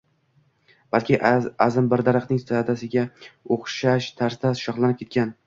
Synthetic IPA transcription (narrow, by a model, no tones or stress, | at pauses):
b̥alkʲʰɪazɪmbɪɾd̪aɾɨqnɪŋsad̪asɪɡʲaoχʃaʃt̪ʰaɾsd̪aʃɒχlˠanɪpkʲʰe̞t̪̚ʲkʲan